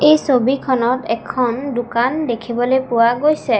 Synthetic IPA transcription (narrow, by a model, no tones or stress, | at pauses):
ejsobikʰɔnɔtɛkʰɔndʊkandekʰibɔlojpʊwaɡojsɛ